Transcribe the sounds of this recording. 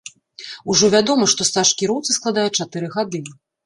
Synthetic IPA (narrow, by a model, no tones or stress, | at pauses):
uʐɔvʲad̪ɔmɐʂt̪ɔst̪aʂkʲiɾɔwt̪sɨsklˠad̪ajɛt͡ʂat̪ɨɾɨɣad̪ɨ